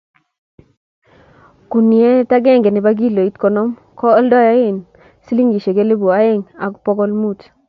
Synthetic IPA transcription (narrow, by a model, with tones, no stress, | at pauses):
ku˨ni˨e˦ta˦ɡɛ˦ŋɡɛ˨nɪ˨ba˦ɡi˦lo˨i˦tkɔ˨nɔ˦m | kɔ˦ɔ˦ldɔ˦ja˦ɪ˦˨n | si˦li˦ŋɡi˨ʃe˨ke˦le˦bu˨a˨˦ɪ˦ŋa˨ku˦pɔ˦kɔ˦lmu˦t